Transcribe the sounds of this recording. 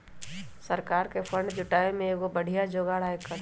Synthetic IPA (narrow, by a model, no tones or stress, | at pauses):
sɐɾkaːɾkefʰə̃ɳɖd͡ʒʊʈaːemẽɡobɐɽ̤ijad͡ʒoːɡaɽ̤aːekəɾ